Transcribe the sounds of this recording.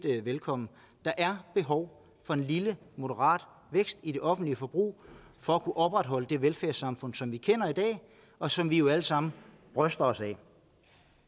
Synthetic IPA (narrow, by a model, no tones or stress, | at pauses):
d̥ʋelkʰɒ̽mn̩ | d̥ɑ̈ʔæɐb̥e̝ɦɒʊ | fɒ̽e̝nlilə | mo̝ɾəʁɑ̰̈ːd̥ | ʋeɡ̥sd̥id̥e̝ʔɒ̽fn̩d̥liəfɒ̽b̥ʁṵː | fɒ̽ækʰuʔɒ̽b̥ʁad̥ɦɒ̽ləd̥e̝ʋelfæɐsɑ̈mfɔ̽n̰sɒ̽mʋikʰen̰ɐid̥ɛ̰ː | ɒ̽sɒ̽mʋijo̝æləsɑ̈m̰n̩ | b̥ʁœsd̥ɐɒ̽sɛ